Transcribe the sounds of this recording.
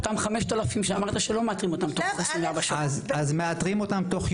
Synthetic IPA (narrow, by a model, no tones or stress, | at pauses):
t̪amχameʃt̪alafimʃeamaʁt̪aʃelo̞meat̪ʁimot̪amt̪oχesʁinveaʁbaʃazazmeat̪ʁimo̞t̪amt̪o̞χ